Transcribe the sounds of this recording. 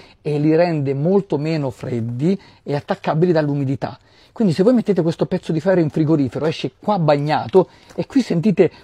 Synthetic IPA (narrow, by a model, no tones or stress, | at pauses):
elːiɾɛnd̪emolt̪omeːnofɾed̪ːi | eat̪ːakːabilid̪alːumid̪it̪a̰ | kwind̪isevoːjmet̪ːeːt̪ekwest̪opɛt̪sːod̪ifɛɾeiɱfɾiɡoɾiːfeɾoɛʃːekwabːaɲːaːt̪o | ekːwisːent̪̬iːt̪e